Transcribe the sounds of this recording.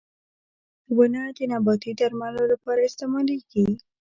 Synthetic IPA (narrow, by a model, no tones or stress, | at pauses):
wanad̪ənabɑt̪id̪aɾmalolapɑɾaɪst̪ɪmɑliɡi